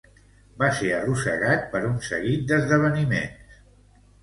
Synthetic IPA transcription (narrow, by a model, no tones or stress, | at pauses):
baseərusə̰ɣat̪̚pəɾunsə̰ɣit̪̚d̪əzðəβ̞ənimḛns